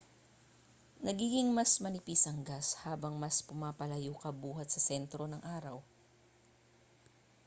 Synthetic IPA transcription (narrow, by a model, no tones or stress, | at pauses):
nɐɡiːɡɪŋmɐsmɐnɪpiːsɐŋɡashaːbɐŋmɐspʊmaːpɐlɐjuːkɐbuːɦɐt̪̚sɐsɛnt̪ɾo̞nɐŋʔaːɾɐw